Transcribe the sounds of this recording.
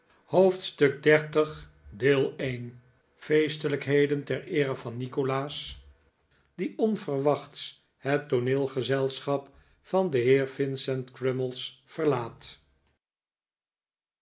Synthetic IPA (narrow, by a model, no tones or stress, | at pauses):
howftstɵɡ̚dɛɹtəχ | deːlˠejn | fejstələkɦejdəntɛɹɪːɾəvɑnːikolaːs | diʔɔnv̥ərʋɑχts | ɦətːonɪːlˠχəzɛlˠsχɑp | fɑndəɦɪːɹvɪnsɛntkrɪməlˠsfəɹlaːt